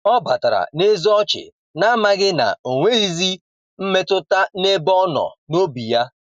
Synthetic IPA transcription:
ɔ˦ba˨ta˨ɾa̰˨ne˦zɔ˦t͡ʃɪ̰˨ | na˦ma˦ɡɪ˦na̰˨o˨ŋʷe˦i˦zi˦ | m̩˦me˦tʊ˦ta˦ne˦bɔ˦nɔ̰˨no˦bi˨ja˦

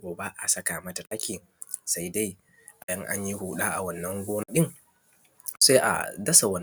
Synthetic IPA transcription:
ɡoː˨ba˦ʔa˨sɐ˦ka˨mɐ˦ta˨ta˦kʲiː˨ | sa˦jda˦j | ʔa˨jɐ˦ŋʔa̰˦ɲji˦huː˨ɗaː˦ʔa˨wɐ˨nːɐ˦ŋɡʷoː˦na˦ɗɪ˦ŋ | sa˦jʔa̰˨dɐ˦sa˨wɐ˨n

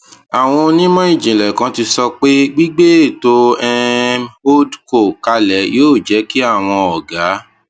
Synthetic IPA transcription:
a˨w̃ɔ̃˧o˧nĩ˦mɔ̃˦i˦˨d͡ʒĩ˨lɛ˨kã˧˦ti˧sɔ˧k͡pe˦ɡ͡bi˦ɡ͡be˦e˦˨to˦ɛ˧o˦dko˦˨ka˧lɛ˨˦joː˦˨d͡ʒɛ˨˦ki˦a˦˨w̃ɔ̃˧ɔ˨ɡa˨˦

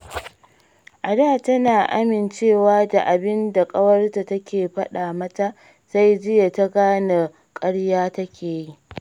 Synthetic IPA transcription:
ʔa˨daː˦˨tɐ˦naː˨ʔa̰˦mɪ˨nt͡ʃeː˦˨waː˦da˨ʔa˨bɪ˦nda˨kʼɐ˦wɐ˦rta˨tɐ˦kʲeː˨ɸɐ˦ɗaː˨mɐ˦ta˦ʔ | sa˦jd͡ʒɪ˦ja˨ta˦ɡaː˦na˨ | kʼɐ˦ɽjaː˦tɐ˦kʲeː˨ji˦ʔ

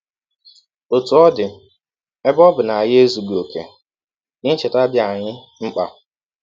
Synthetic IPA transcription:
o˨tu˨ɔ˦dɪ˨ | e˦bɔ˦bʊ˨na˨jɪ˦e˦zu˨ɡ͡bi˨o˨kḛ˨ | ɲɪ˦t͡ʃɪ˨ta˦bja˨ɲɪ˦ | ŋ͡m̩˦k͡pa̰˨

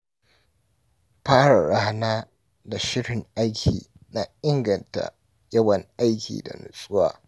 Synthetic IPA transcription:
ɸaː˦ɽa˨ɽa˦hnaː˦ | da˨ʃɪ˦ɽɪ˨ŋʔa˦jkʲʰḭː˨ | na˦ɪ˦ŋɡɐ˨nta̰˨ | jɐ˦wɐ˨ŋʔa˦jkʲḭː˨da̰˨nʊ̰˨sʼʊ˦wa̰ː˨

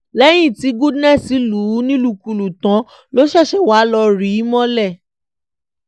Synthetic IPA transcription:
lɛ˦j̃ĩ˦˨ti˨˦ɡu˦dnɛ̃˦˨si˨˦lu˨˦nĩ˦lu˦˨ku˨lu˨tã˨˦ | lo˦ʃɛ˦˨ʃɛ˨wa˨˦lɔ˧ɾi˨˦mɔ̃˦lɛ˦˨

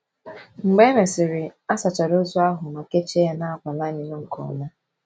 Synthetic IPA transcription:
ŋ͡m̩˨ɡ͡be˦me˨sɪ˨ɾɪ˨a˦sa˨t͡ʃa˨ɾo˦zɔ˦a˦ɦʊ˨ma˨ke˦t͡ʃe˦na˦a˦kʷa˨la˦ni˨no˦ŋ̩˨kɔ̰˨na˦

